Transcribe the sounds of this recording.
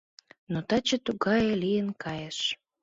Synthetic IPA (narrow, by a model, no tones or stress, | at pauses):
not̪ɑt͡ɕə̆t̪uɣɑjelijənkʰɑjeʃ